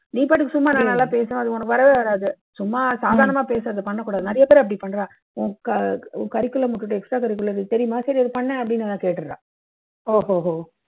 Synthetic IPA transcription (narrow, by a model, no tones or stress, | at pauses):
niːpaːʈːɯkːɯsʊmːaːnɐːnːaːlãːpeːsɐnãɐðɯɔnɐkːɯʋɐɾɐʋeːʋɐɾaːðɯ | sʊmːaːsaːðaːɾɐɳɐmaːpeːsɐɾɐðɯpɐɳːɐkːuːɽaːðɯnɐɾɐjɐpeːɾɐp̬ːɐɽipɐɳːɾãː | õːkɐ̃ːkɐɾɪkːɯɭlːɐmʊʈːɯʈːɯɛksʈɾaːkɐɾɪk̬ːɯlːɐɾt̪ɛɾɪjʊmaːsɐɾiɐðɯpɐɳːɛɐpːɐɽɪnːɐt̪ãːkeːʈːɯɾɾã̰ː | oːɦoːɦoː